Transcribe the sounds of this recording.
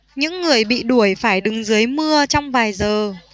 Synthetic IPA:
ɲɨ̰˧˥ŋːɨ˨˩əjɓḭ˧˨ɗu˧˩əjfaː˧˩jɗɨ˨˩ŋzɨ˨˦jmɨ˧ət͡ɕɔ˧wŋ͡mvaː˨˩jzəː˨˩

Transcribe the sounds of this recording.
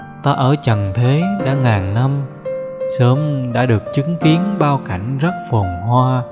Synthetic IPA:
t̪aː˧ʔəː˧˩t͡ɕə˨˩ŋt̪ʰe˨˦ɗa̰ː˧˥ŋaː˨˩ŋna˧m | səː˨˦mɗa̰ː˧˥ɗɨ˨˩ək̚t͡ɕɨ˨˦ŋki˨˦ənɓaː˧wka˧˩jŋ̟zə˦˥t̚fɔ˨˩ŋ͡mɦwaː˧

